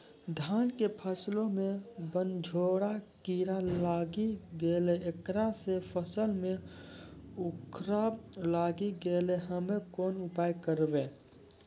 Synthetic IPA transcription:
d̪ʱaːnkepʰəslõmẽbənd͡ʒʱoːɽakiːɾalaːɡiɡeːleekɾasepʰəsəlmẽ | ʊkʰɾalaːɡiɡeːleɦəmẽkoːnʊpaːjkəɾbe

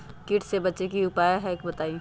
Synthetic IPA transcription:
kɪʈʰsebɐtːʃekiʊpaːjaɦɛkbɐt̪aːi

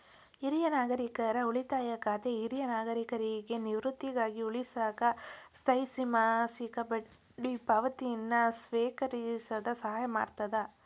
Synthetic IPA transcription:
iɾijɐnaːɡɐɾikɐɾɐuɭit̪aːjɐkaːt̪eiɾijɐnaːɡɐɾikɐɾiɡe̞niʋɾut̪ːiɡaːɡiuɭisaːkɐt̪ɐjsimaːsikɐbɐ | ɖipɐʋɐt̪ijinːɐsʋeːkɐɾisɐd̪ɐsɐɦaːjɐma̰ːɽt̪ɐd̪ɐ

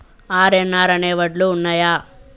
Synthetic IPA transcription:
aːɾenːaːɾɐneːʋɐʈluːnːajaː

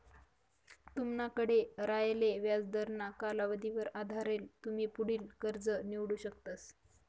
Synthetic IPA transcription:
t̪umnakəɽeɾajleʋjad͡zd̪əɾnakalaʋəd̪iʋəɾad̪ʱaɾelt̪um̤iːpuɽiːlkəɾd͡zəniʋɽuːɕək̚t̪as

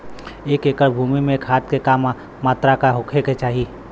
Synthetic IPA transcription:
eːkeːkəɾbʱuːmimẽkʰɦaːt̪̚kekaːmː | aːt̪ɾakaɦokʰeket͡ʃaːɦi

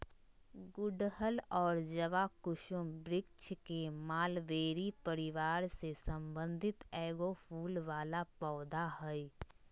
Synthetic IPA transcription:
ɡʊɖɦəlɔːɾd͡ʒəʋakʊʃʊmbɾɪk̚t͡ʃkemaːlʋeːɾipəɾɪʋaːɾsesə̃mbə̃nd̪ʱɪt̪ɛːɡofʰuːlʋaːlapɔːd̪aɦɛi

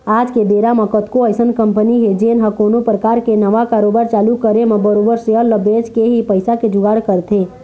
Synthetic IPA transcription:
aːd͡ʒkebeːɾamɐkət̪koəɪsənkə̃mpəniɦed͡ʒeːnɦəkoːnopɾəkaːɾkenəʋakaːɾoːbaːɾt͡ʃaːlukəɾemẽbəɾoːbəɾseəlːəbed͡ʒkeɦipəɪsaked͡ʒʊɡaːɽkəɾt̪ʰeː

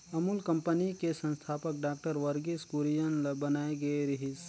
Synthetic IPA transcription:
ɐmulkɐ̃mpənikesə̃nst̪ʰaːpək̚ɖaːk̚ʈəɾʋəɾɡiskuɾijənlbɐnaːeɡɐeɾɐɦis

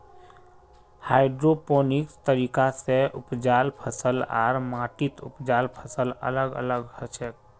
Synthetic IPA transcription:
haːɪɖɾopoːnɪkst̪əɾiːkaseʊpd͡ʒaːlpʰəsəla̰ːɾmaːʈɪt̪ʊ̰pd͡ʒaːlpʰəsələ̰ləɡə̰ləɡhəʃək̚

